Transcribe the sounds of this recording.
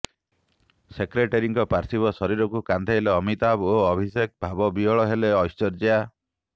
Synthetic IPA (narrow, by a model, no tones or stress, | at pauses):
sekɾeʈeɾiŋkɔpaɾsibɔsɔɾiɾɔkukand̪ʰʱeɦeleɔmit̪aboɔbʱisek̚bʱabɔbiɔɭɔɦeleɔjst͡ʃɔɾd͡ʒia